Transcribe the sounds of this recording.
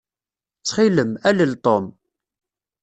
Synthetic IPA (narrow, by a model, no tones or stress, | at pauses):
t͡sːχiləmæləlt̪ˤom